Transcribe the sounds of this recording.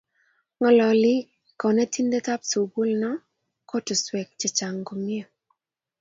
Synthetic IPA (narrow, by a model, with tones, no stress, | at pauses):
ŋɔ˨lɔ˨lɪ˦ | kɔ˨nɛ˦ti˦ndɛ˦ta˦pso˨bu˦lnɔ˦ | ko˦tɔ˨swɛ˨k̚t͡ʃe˨t͡ʃa˨ŋɡo˨mi˦e˦˨